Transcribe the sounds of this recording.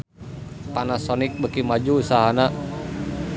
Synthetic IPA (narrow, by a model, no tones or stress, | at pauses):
t̪anasɔnik̚bəkimad͡ʒuːsaɦana